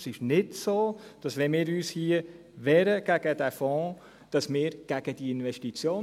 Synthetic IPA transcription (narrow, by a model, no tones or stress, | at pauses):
sɪʃnɪdsoːd̥ɑsʋɛnmɪːɾyːshiə | ʋɛːɾəɡ̥æɡ̥əd̥æfɔ̃ː | d̥ɑsmɪːɾɡ̥æɡ̥əd̥iɪnʋɛʃtit͡sjoː